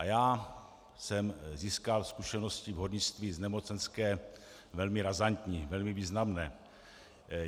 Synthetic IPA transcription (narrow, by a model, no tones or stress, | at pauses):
ʔajaː | sɛmziːskalskuʃɛno̞scɪvɦodɲɪt͡st̪viːznɛmo̞t͡sɛnskɛː | vɛlmɪɾazant̪ɲiːvɛlmɪviːznamnɛː